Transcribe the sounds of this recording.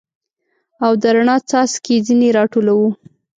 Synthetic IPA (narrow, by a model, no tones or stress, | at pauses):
awd̪əɾaɳɑt͡sɑsked͡zineɾɑʈolawu